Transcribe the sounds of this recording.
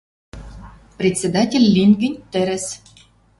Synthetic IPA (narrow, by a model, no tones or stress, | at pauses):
prʲet̪ʲsʲed̪ɑtʲelʲːinɡɘ̆nʲt̪ɘ̆ɾʲɘ̆s